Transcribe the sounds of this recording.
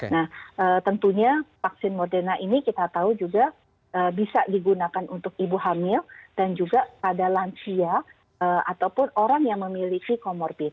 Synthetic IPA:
nahʔət̪ənt̪uɲafak̚sɪnmɔrdɛrnaʔinikit̪at̪aud͡ʒuɡa | ʔəbisadiɡunakanunt̪ʊk̚ibuɦamɪld̥and͡ʒuɡakadalansia | əat̪awpʊnoɾaŋjaŋməmilikikomɔrbɪn

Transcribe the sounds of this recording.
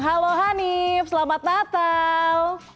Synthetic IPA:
ɦaloɦanifsəlamat̪̚nat̪al

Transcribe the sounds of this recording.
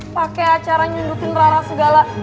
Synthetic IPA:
pakɛjat͡ʃaɾaɲundukɪnraɾasəɡala

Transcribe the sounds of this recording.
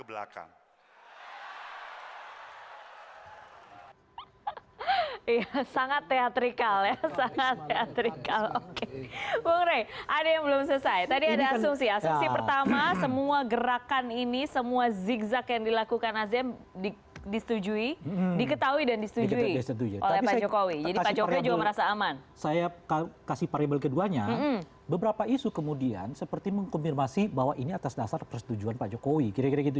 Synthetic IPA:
əbla̰ka̰ŋ | ijasaŋat̪ːeat̪ɾikaljasaŋat̪ːeat̪ɾikalokeboŋɾajʔadajaŋbəlʊmsəsajt̪adiadaːsʊŋsiasuŋsipərt̪amasəmuaɡəɾakaninisəmuazikzakjaŋdilakukanazɛm | di | disə̥t̪ud͡ʒuidikət̪aɦuidandisə̥t̪ud͡ʒuiɛst̪ət̪ud͡ʒuʔo̰lɛpad͡ʒokowid͡ʒadipad͡ʒokowid͡ʒuɡaməɾasaːmansajakakasipaɾebəlkəduaɲam̩ | bəbəɾapaisukəmudia̰nsəpərt̪iməŋkɔmfirmasibawaʔiniat̪asdasarpərsə̥t̪ud͡ʒuanpad͡ʒokowikiɾakiɾaɡit̪̬u

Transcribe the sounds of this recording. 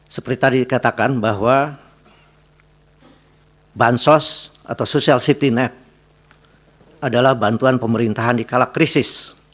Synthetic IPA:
səpərt̪it̪adidikat̪akanbaɦwa | bansɔs | a̰t̪awsosialsit̪inɛt̪̚ | adalahbant̪uanpəməɾint̪aɦandikalakːɾisɪs

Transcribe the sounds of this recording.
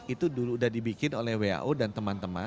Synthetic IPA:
it̪uduludahdibikɪnolɛhwea̰ʔodant̪əmant̪əma̰

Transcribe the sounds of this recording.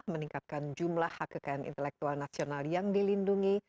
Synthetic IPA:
hməniŋkat̪̚kand͡ʒumlahːakːəkajanḭnt̪əlɛk̚t̪ualnasionaljaŋdilinduŋi

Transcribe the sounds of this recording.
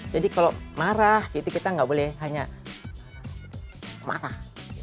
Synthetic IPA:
d͡ʒadikalomaɾahkit̪ukit̪aŋɡabolɛhɦaɲa | ma̰ɾah

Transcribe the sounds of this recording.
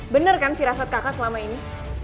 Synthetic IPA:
bənərkansiɾasat̪̚kakasəlamaini

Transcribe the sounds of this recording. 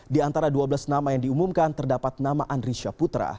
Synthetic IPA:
diant̪aɾaduabəlasnamajaŋdiumumkant̪ərdapat̪̚namaʔandɾiʃaput̪ɾa̰

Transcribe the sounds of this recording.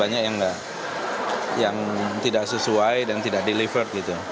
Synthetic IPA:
aɲak̚jaŋɡaʔ | jaŋt̪idaʔsəsuajdant̪idak̚delifərt̪̚ɡit̪u

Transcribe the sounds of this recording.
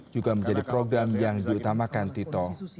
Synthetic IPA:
d͡ʒ̥uɡaməɲd͡ʒadipɾoɡɾamjaŋdiut̪amakant̪it̪ɔ

